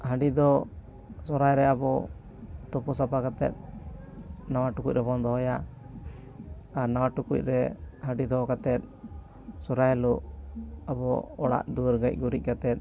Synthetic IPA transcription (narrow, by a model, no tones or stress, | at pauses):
haɖid̪ɔ | sɔɾajɾɛabɔ | t̪ɔpusapakat̪ɛ̰t̪̚ | nawaʈukuc̚ɾɛbɔnd̪ɔɦɔja | aɾnawaʈukṵc̚ɾɛhaɖid̪ɔkat̪ɛt̪̚ | sɔɾajluʔabɔɔɽa̰ʔd̪uɾɡac̚ˀɡuɾic̚ˀkat̪ɛt̪̚